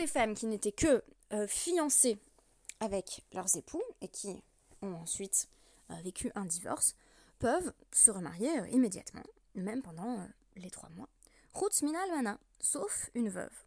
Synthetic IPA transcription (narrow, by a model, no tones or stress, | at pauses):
lefamkʲinet̪ɛkəfijɑ̃se | avɛklœʁzepʰuekʲʰi | ɔ̃ɑ̃sɥit̪ | øvekʲyʔɛ̃d̪ivɔ̰ʁs | pœvsəʁəma̰ʁjeø̰ʔimed̪ja̰t̪mɑ̰̃ | mɛmpɑ̃d̪ɑ̃ø | let̪χwa̰mwa̰ | ʁut̪minalmanɛ̃ | sofynvœ̰v